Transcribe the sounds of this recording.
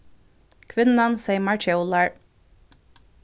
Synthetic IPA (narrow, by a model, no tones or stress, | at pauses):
kʰʋɪnənseɪmɑɹt͡ʃɛʊlɑɹ